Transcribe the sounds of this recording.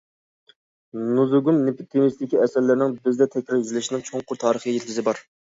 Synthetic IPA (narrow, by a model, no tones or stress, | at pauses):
nuzuɡumnepʰut̪ʰːemist̪ɪkʲiɛsɛɾlːæɾnɪŋbɪzd̪ɛt̪ʰɛkʲɾɪɾjyzɪlɪʃinɪŋt͡ʃʰoŋqʰʊɾt̪ʰɑːɾəχijjet̪kʲɪzɪbɑɾ